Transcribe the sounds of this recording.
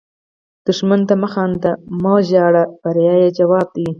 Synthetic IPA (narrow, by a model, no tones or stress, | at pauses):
d̪̥ʊʂmant̪amaxɑnt̪amoʒɑːɽabaɾjɑjed͡ʒawɑːb̚d̪i